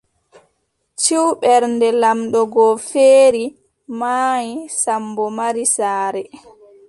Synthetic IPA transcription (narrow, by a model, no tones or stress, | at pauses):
t͡ʃiwɓɛɾndɛlamɗɔɡɔfeːɾi | maːjisambɔmaɾisaːɾɛ